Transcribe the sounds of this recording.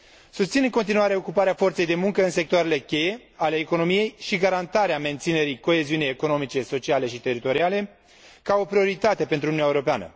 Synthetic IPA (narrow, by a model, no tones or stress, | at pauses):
sust̪sinɨŋkont̪inuaɾe̞o̞kupaɾeafo̞rt̪se̞jd̪e̞muŋkəɨnse̞k̚t̪oaɾe̞le̞kʲe̞je̞ale̞ːko̞no̞mije̞jʃiɡaɾant̪aɾeame̞nt̪sine̞ɾijko̞e̞ziuniejeko̞no̞mit͡ʃe̞so̞t͡ʃiale̞ʃit̪e̞ɾit̪o̞ɾiale̞ | kao̞pɾio̞ɾit̪at̪e̞pent̪ɾuninaeuɾo̞peanə̰